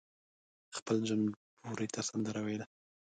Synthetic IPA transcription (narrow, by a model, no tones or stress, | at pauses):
xpəlʒanpuɾit̪ʰasand̪əɾawejla